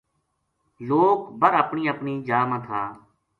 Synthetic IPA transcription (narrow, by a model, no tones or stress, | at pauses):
loːkbəɾəpɳiːəpɳiːd͡ʒaːmãːt̪ʰaː